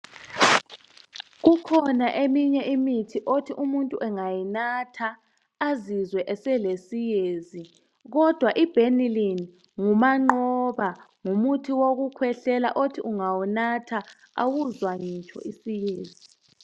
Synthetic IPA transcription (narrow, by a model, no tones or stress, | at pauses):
ɣukʰɔnaʔemiɲɛʔimitʰiʔotʰiʔumuntʼuʔɛŋajinatʰaː | zizwɛʔɛsɛlesijeːzi | ɣɔd̥ʱwaʔib̥ʱenilin | ŋumaŋ͡ǃɔβaŋumutʰiwoɣukʰwɛɬɛla̰ʔotʰiʔuŋawunatʰa | a̰wuzwaɲit͡ʃʰʼɔ̰ʔisijeːzi